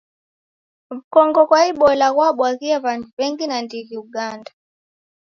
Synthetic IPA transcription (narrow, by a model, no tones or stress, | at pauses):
βikɔŋɡɔkwaiɓɔlaɣwaɓwaɣiɛβantuβɛŋɡinandiɣiuɠanda